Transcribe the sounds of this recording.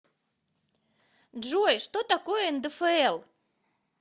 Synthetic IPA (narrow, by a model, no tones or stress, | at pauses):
ʒujʃt̪ot̪akojnd̪əfəelˠ